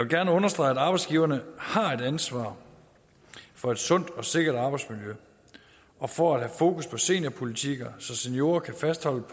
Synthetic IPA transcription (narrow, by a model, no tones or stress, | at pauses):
jɑʋelɡ̥æɐnəɔ̽nɐsd̥ʁɑ̈ɪ̰ædɑ̈ːb̥ɑ̈ɪdsɡ̥iːʊɐnəhɑ̈e̝d̥ænsʋɑ̰̈ː | fɒ̽e̝d̥sɔ̽n̰d̥ɒ̽se̝ɡ̥ɐd̥ɑ̈b̥ɑ̈ɪd̥smiljø | ʔɒ̽fɒæd̥ɦæfo̝ːkʰuspʰɒ̽se̝̰ːnɐpʰo̝lit͡sʰiɡ̥ɐsɒ̽senjo̝ːɐkʰæfæsd̥hɒ̽l̰ə